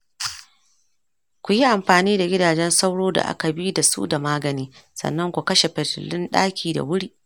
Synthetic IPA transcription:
kʷʊ˨ji˦ʔa˨mɸaː˨niː˦da˨ɡʲɪ˦daː˨d͡ʒɛ˦nsa˦wɽoː˦da̰˨ʔa̰˦ka˨bi˦da˨sṵ˦da˨maː˦ɡɐ˨niː˦sɐ̰˨nːɐ˦ŋkʷu˨kɐ˦ʃe˨ɸɛ˨tɪ̰˨lɪ˦nɗaː˦kʲʰiː˨da̰˨wʊ˦ɽiː˦ʔ

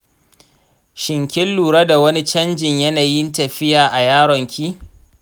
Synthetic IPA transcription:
ʃɪ˨ŋkʲɪ˦lːuː˨ɽɐ˦da˨wɐ˦ni˦t͡ʃɐ˦nd͡ʒɪ˨ɲjɐ˦naː˨jɪ˦ntɐ˨ɸɪ˦jaː˨ʔa˨jaː˦ɽɔ˨ŋkʲʰiː˦

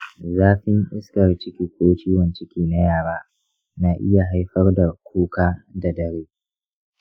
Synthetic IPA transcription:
zaː˦ɸɪ˦ŋʔɪ˦skɐ˨rt͡ʃɪ˦kʲiː˨kʷoː˦t͡ʃiː˦wɐ˨nt͡ʃɪ˦kʲiː˨na˦jaː˦˨ɽaː˦ | naː˨ʔɪ˦ja˨ɦa˦jɸɐ˦rda˨kʷʰuː˦kaː˦da˨dɐ˦ɾeː˦

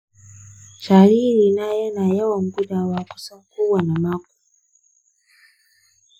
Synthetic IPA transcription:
t͡ʃa˨li˦li˨na˦jɔ˦na˨ja˦wa˨ŋ˦ɡu˦ɗa˨wa˨ku̥˨sa˦ŋku˦wwa˨na˨ma˦k̚u̥˨

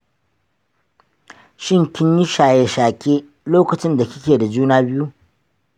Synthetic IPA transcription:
ʃɪ˦ŋkʲɪ˦ɲji˦ʃaː˨je˨ʃaː˨kʲeː˦ | loː˦kɐ˨t͡ʃɪ˦nda˨kʲɪ˦kʲeː˨da˨d͡ʒuː˦naː˦bɪ˦ju˦

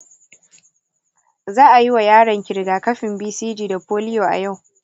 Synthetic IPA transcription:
zaː˦ʔa˨ji˦wa˨jaː˦ɽɐ˨ŋkʲɪ˨ɽɡaː˨kɐ˦ɸɪ˨mbiː˦siː˦d͡ʒiː˨da˨poː˦lɪ˦joː˨ʔa̰˨ja˦˨w

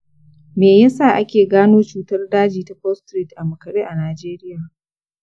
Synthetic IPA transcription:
meː˨jɐ˦saː˨ʔa˦kʲeː˨ɡaː˦noː˦t͡ʃuː˦tɐ˦rdaː˦d͡ʒiː˨ta˨ɸɔ˦stɾi˦˨tʔa˨mʊ˨kɐ˨ɾeː˦ʔa˨naː˨d͡ʒeː˦ɾɪ˦jaː˨

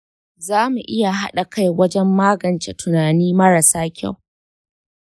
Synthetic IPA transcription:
zaː˦mu˨ʔɪ˦ja˨ɦa˦ɗa˨ka˦jwɐ˦d͡ʒɛ˦mːaː˦ɡɐ˨nt͡ʃḛ˨tʊ˨naː˨niː˦mɐ˦ɾa˨saː˦kʲa̰˦˨w

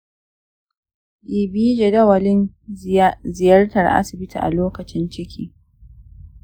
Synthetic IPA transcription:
ɗiː˨biː˦d͡ʒe˨dɐ˦wɐ˨lɪ˦n | zɪ˨jɐ˦rtɐ˨rʔa̰˦sɪ˨bɪ˦tʰḭː˨ʔa̰˨loː˦kɐ˨t͡ʃɪ˦nt͡ʃɪ˦kʲʰiː˦

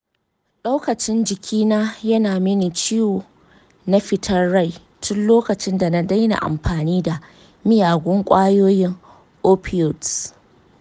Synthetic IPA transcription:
ɗa˦wkɐ˨t͡ʃɪ˦nd͡ʒɪ˨kʲʰiː˦naː˦jɐ˦naː˨mɪ˦ni˨t͡ʃiː˦woː˨ | na˦ɸɪ˨tʰɐ˦rːa˦˨j | tʰʊ˦nloː˦kɐ˨t͡ʃɪ˦nda˨na˦da˦jna̰˨ʔa̰˨mɸaː˨niː˦da˨ | mɪ˦jaː˨ɡʷʊ˦ŋkʷʼaː˦joː˦jɪ˦ŋ | ʔoː˦pʰɪ˦ɔ˨d

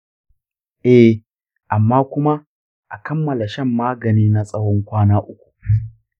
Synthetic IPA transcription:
ʔɛ˦ | ʔa˨mːaː˦kʷʊ˦ma˦ | ʔa˨kɐ˦mːɐ˨la˨ʃɐ˦˨mːaː˦ɡɐ˨niː˦na˦sʼɐ˦wɔ˦ŋkʷaː˦naː˦ʔʊ˦kʷu̥˨

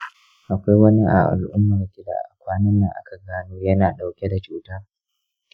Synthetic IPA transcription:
ʔa˨kʷa˦jwɐ˦ni˦ʔa̰˨ʔa̰˨lʔʊ˦mːɐ˨rkʲɪ˦da̰ː˨ʔa˨kʷaː˦nɐ˦nːɐ˨ŋʔa̰˦kʰa˨ɡaː˦nuː˦jɐ˦naː˨ɗa˨wkʲe˦da˨t͡ʃuː˨taː˦

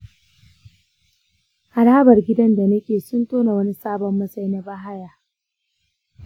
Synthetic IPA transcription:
ʔa˨ɽaː˦bɐ˨rɡʲɪ˦dɐ˦nda˨nɐ˦kʲeː˨sʊ˦ntoː˦na˨wɐ˦ni˦saː˦bɔ˨mːɐ˦sa˦jna˨ba˦ɦa˦jaː˨

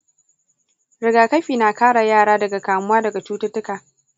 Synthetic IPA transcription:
ɽɪ˨ɡaː˨kɐ˦ɸiː˨naː˨kaː˦ɽa˨jaː˦˨ɽaː˦dɐ˨ɡa˨kaː˨mʊ˦waː˦dɐ˨ɡa˨t͡ʃuː˦tʊ˦tʊ˦kaː˨

